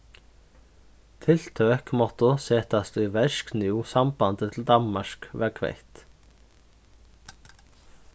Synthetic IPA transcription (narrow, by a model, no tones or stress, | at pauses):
t̪ʰɪl̥t̪ʰœkmɔht̪əsɛːt̪ast̪ʏvɛʃknjuːsambant̪ət̪ʰɪld̪anmaʂkvɛɾkʰvɛ̰jht̪